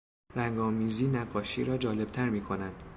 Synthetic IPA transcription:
ɾæŋɡɒːmiːziːnæɡːɒːʃiːɾɒːd͡ʒɒːle̞b̥̚t̪ʰæɾmiːkʰo̞nænd̪̥

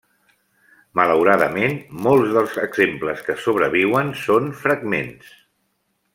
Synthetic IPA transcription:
mələwɾaðəmenmolˠzðəlˠzəɡzempləskəsoβ̞ɾəβiwənsonfɾəɡmḛns

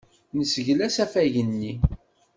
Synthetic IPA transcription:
nəsəʝlæsæfæʝənːi

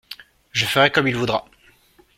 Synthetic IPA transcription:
ʒəfəʁɛkɔmilvud̪ʁa

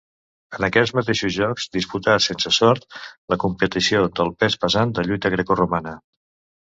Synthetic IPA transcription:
ənəkɛd͡zmət̪eʃuzʒɔkz̥d̪isput̪asensəsɔɾt̪̚ləkumpət̪isiod̪əlˠpɛspəzand̪əʎujt̪əɣɾɛkurumanə

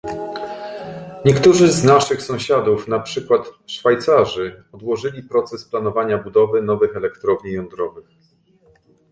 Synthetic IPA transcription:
ɲɛkt̪uʐɘznaʂɘxsɔ̃w̃ɕad̪ufnapʂɘkwat̪ʂfajt̪saʐɘɔd̪wɔʐɘlʲipɾɔt̪sɛsplanɔvaɲabud̪ɔvɘnɔvɘxɛlɛkt̪ɾɔvɲijɔnd̪ɾɔvɘx

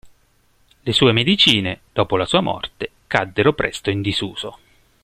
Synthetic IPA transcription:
lesuːemed̪it͡ʃiːned̪̥ɔːpolasuːamɔ̰rt̪e | kad̪ːeɾopɾɛ̰st̪oind̪izuːz̥o

